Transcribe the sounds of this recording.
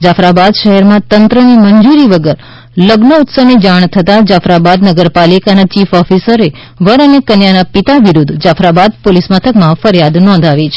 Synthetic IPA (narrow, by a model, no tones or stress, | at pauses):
d͡ʒafɾabad̪ʃəɦɛɾmãt̪ənt̪ɾəniməɲd͡ʒuɾiʋəɡəɾ | ləɡnəut̪səʋnid͡ʒaɳ̃t̪ʰət̪ad͡ʒafɾabad̪nəɡəɾpalikanat͡ʃifɔfisəɾe | ʋəɾənekənjanapit̪aʋiɾud̪ʱd͡ʒafɾabad̪̚polismat̪ʰəkmãfəɾjad̪nɔ̃nd̪ʱaʋit͡ʃʰe̥